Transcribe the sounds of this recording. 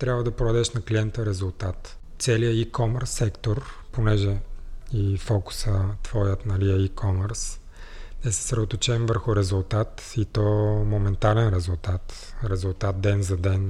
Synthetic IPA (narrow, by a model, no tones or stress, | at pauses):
t̪ɾʲabvəd̪ɐpɾoɐd̪ɛʃnɐkliɛnt̪əɾɛzulˠt̪at̪ | t̪sɛlijəikɔmɛɾsːɛkt̪oɾponɛʒɛifɔku̥sət̪vɔjət̪nɐliəikʰɔmɛɾs | nɛsɛ̥sɾɛd̪ot̪ot͡ʃɛmvəɾxʊɾɛzulˠt̪at̪ | it̪ɔmomɛnt̪alɛnɾɛzulˠt̪at̪ | ɾɛzulˠt̪at̪̚d̪ɛnzɐd̪ɛn